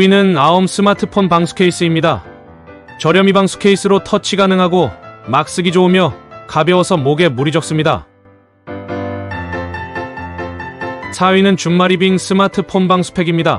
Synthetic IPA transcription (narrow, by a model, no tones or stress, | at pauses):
inɯnaoms͈ʰɯmatʰɯpʰonpaŋsʰu̥kʰe̞is͈ɯimɲida | t͡ɕʌɾjʌmibaŋsʰu̥kʰe̞is͈ɯɾotʰʌt͡ɕʰiɡanɯŋɦaɡomak̚s͈ɯɡid͡ʑoumjʌkabjʌwʌsʰʌmoɡe̞muɾid͡ʑʌk̚s͈ɯmɲida̰ | sʰaɥinɯnt͡ɕumːaɾibiŋs͈ʰɯmatʰɯpʰonbaŋsʰu̥pʰe̞ɡimɲida